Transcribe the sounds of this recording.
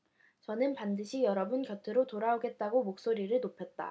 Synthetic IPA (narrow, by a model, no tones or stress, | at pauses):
t͡ɕʌnɯnpandɯɕʰijʌɾʌbɯnkjʌtʰɯɾotoɾaoɡe̞t̚t͈aɡomok̚s͈oɾiɾɯɭnopʰjʌt̚t͈a̰